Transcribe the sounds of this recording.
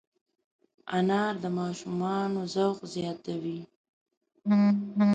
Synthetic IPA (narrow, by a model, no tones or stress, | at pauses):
anɑɾd̪əmɑʃumɑnozawqzjɑt̪awi